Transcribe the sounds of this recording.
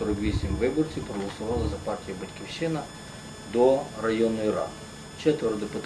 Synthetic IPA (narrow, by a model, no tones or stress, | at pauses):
ɔɾɔkʋʲisʲimʋɪbɔrt͡sʲiwpɾɔɦɔlˠɐsʊʋɑlˠɐzɐpɑrtʲijibɐtʲkʲiwʃɪnɐ | d̪ɔrɐjɔnʊjiɾɑ̰d̪ | t͡ʃɛt̪ʋɛɾd̪ɔpɪt̪